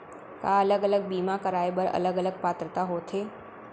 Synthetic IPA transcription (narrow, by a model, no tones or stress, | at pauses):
ka̰ːɐləɡələɡ̚biːmakɐɾaːebəɾɐ̰ləɡələɡ̚paːt̪ɾət̪aɦoːt̪ʰeː